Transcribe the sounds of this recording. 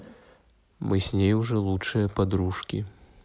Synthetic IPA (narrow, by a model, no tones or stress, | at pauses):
mʔɨsʲnʲejuʐɛlˠutʂɨjɐpad̪ɾuʂkʲi